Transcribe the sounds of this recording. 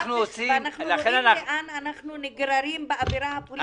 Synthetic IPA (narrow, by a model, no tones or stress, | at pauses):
χnuosivamnaχnulaχenanaeʔananaχnuniɡɾaɾimbeaviɾahapol